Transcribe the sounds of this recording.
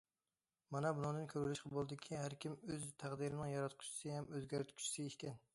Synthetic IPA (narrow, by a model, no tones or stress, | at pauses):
manɛbʊnɑŋd̪ɪnkʲʰøɾulɪʃqʰɑbolˠd̪ɪkʲʰihæɾkʲʰɪmøzt̪ʰæʁd̪ɨɾɪnɨŋjɑɾɑt̪qʰʊ̥t͡ʃʰɪ̥sɪhamøzɡʲæɾt̪kʰʲʊ̥t͡ʃʰːɪ̥sɪeʃkʲʰɛn